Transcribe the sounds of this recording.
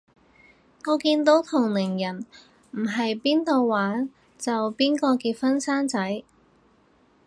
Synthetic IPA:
ŋɔː˨˧kiː˧nt̪o˨˥wt̪ʰʊ˨˩ŋlɪ˨˩ŋjɐ˨˩n | m̩˨˩ɦɐ˨jpiː˥nt̪o˨˧wːaː˨˥n | t͡sɐ˨wpiː˥nkɔː˧kiː˧t̚fɐ˥nsaː˥nt͡sɐ˨˥j

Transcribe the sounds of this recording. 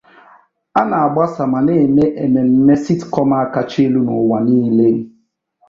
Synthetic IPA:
a˦na˨a˨ɡ͡ba˦sa˨ma˨ne˦˨me˦ʔe˨me˨m̩˦me˦si˦tkɔ˦ma˦a˦ka˦t͡ʃe˦lu˦nʊ̰˨wa˨niː˦le˦n̩˦

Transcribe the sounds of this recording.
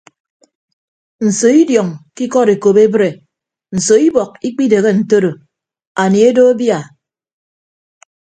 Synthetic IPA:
n̩˨so˨i˦djɔ˨ŋki˦kɔ˦ɾe˨ko˨be˦bɾe˨ | n̩˨so˨i˦bɔ˨k̚i˦k͡pi˦de˨ɣe˦n̩˨to˦ɾo˨ | a˨ni˨e˦do˦a˦bja˨

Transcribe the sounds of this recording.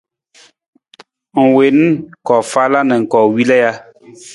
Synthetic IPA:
ŋ̩˨we˨n˦kɔ˨fa˦la˦nə̃˨ŋ̩˨kɔ˨wi˦lɛ˦ja˦

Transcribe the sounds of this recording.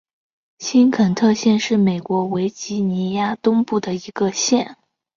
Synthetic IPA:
ɕi˥nkʰə˨˩nt̪ʰɤ˥˧ɕjɛ˥˧nʂɻ̩˥˩me˨˩ɪkwɔ˧˥we˧˥ɪt͡ɕi˥ni˧˥ja˥t̪ʊ˥ŋpu˥˩d̪ə˩i˧˥ɡə˧ɕjɛ˥˩n

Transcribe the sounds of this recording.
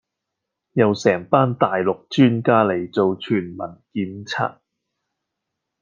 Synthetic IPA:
jɐ˨wsɛː˨˩ŋpaː˥nt̪aː˨jlʊ˨k̚t͡ʃyː˥nkaː˥le˨˩jt͡so˨wt͡ʃʰyː˨˩nmɐ˨˩nkiː˧nt͡sʰa̰ː˥t̚

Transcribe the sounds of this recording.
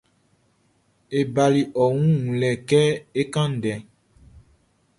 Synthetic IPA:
e˨ba˨li˨ʔɔ˨ŋũ˦ŋũ˨lɛ˨kɛ˦e˦kã˦n̩˨dɛ̃˨

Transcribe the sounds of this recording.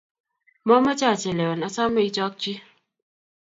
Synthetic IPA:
mɔ˦ma˦t͡ʃa˦˨t͡ʃe˨lɛ˨ɔ˨na˨sa˦me˦i˦t͡ʃɔ˦k̚t͡ʃi˦

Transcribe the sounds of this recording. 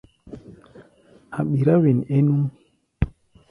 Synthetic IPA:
ha˨ɓi˨ɾa˦wi˨ne˦nu˦m

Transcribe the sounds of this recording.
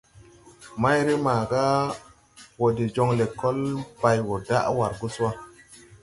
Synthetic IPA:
ma˦jɾi˦maː˨ɡa˦ | wo˨di˨d͡ʒo˦ŋle˨kːo˦lba˨jwo˨da̰˦ʔwa˨ɾɡu˦swa˦

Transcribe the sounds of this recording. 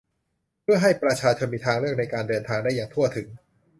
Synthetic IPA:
pʰɯ˥˩ɐɦa˥˩jpɾa˧t͡ɕʰaː˧t͡ɕʰo˧nmiː˧t̪ʰaː˧ŋɾɯ˥˩ək̚na˧jkaː˧ndɤː˧nt̪ʰaː˧ŋda˥˩jːaː˨˩ŋt̪ʰu˥˩ɐt̪ʰɯ˩˦ŋ

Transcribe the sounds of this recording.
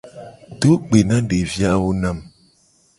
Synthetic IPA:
to˦k͡pe˨na˦de˨vja˦ʔwu˦na˦˨m

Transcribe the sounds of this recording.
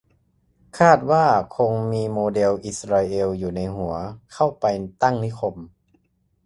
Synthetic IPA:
kʰaː˥˩t̪̚waː˥˩kʰo˧ŋmiː˧moː˧de˧wʔi˨˧˩sɾaː˧ʔe˧wjuː˨˩na˧jɦu˩˦ɐkʰa˥˩wpa˧jt̪a˥˩ŋni˦˥˨kʰo˧m

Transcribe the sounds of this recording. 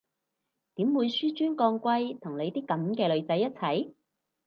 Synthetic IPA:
t̪iː˨˥mwuː˨˧jsyː˥t͡ʃyː˥nkɔː˧ŋkʷɐ˥˧jt̪ʰʊ˨˩ŋle˨˧jt̪iː˥kɐ˨˥mkɛː˧lɵ˨˧ɥt͡sɐ˨˥jːɐ˥t̚t͡sʰɐ˨˥j

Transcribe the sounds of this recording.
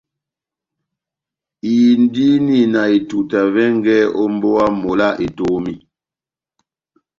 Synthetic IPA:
i˨n˦di˦ni˦˨na˨i˨tu˨ta˨vɛ˦ŋ˦ɡɛ˦ɔ˦m˦bo˦a˦mo˨la˦ʔi˨to˦mi˦

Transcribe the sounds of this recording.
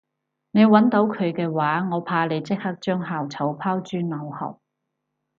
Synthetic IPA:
ne˨˧jwɐ˨˥nt̪o˨˥wkʰɵ˨˧ɥkɛː˧waː˨˥ŋɔː˨˧pʰaː˧le˨˧jt͡sɪ˥k̚hɐ˥k̚t͡ʃœː˥ŋɦaː˨˩wt͡sʰɐ˨˥wpʰaː˥wt͡ʃyː˥nnɐ˨˧whɐ̰˨˩w

